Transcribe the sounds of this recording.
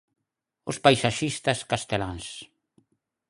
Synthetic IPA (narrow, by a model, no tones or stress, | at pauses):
ʊspajsaʃist̪askast̪elans